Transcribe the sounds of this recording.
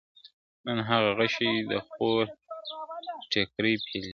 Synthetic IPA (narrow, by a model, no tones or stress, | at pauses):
nənɦaɣaɣaʃid̪əxoɾ | ʈekɾəjpʰel